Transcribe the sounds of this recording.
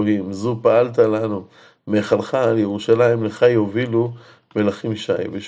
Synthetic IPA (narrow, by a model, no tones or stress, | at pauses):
limzupaalt̪alanu | meχalχaljeʁuʃalaimleχajovilu | me̞laχimʃajmeʃ